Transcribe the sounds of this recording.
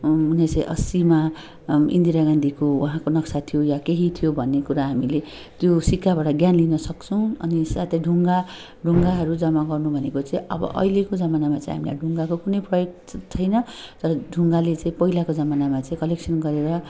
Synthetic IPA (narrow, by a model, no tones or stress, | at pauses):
unet͡saĩʔʌ̰sima | ḭnd̪iɾaɡãnd̪ʱikowũɦãkonʌksat̪ʰijojakeɦit̪ʰijobʱʌnːekuɾaɦamile | t̪josikːabaʈʌɡjanlinʌsʌk̚t͡sʰʌw̃ʌ̰nisat̪ʰeɖʱuŋɡa | ɖʱuŋɡaɦʌɾud͡zʌmaɡʌrnubʱʌnekot͡sãĩʌ̰bʌ̰ʔʌ̰ilekod͡zʌmanamat͡sãḭ̃ɦa̰mila̰jɖʱuŋɡakokunʌjprʌjok | t͡sʰʌjnʌt̪ʌɾʌɖʱuŋɡalet͡saĩpʌɦilakod͡zʌmanamat͡saĩkʌleksʰʌnɡʌɾeɾʌ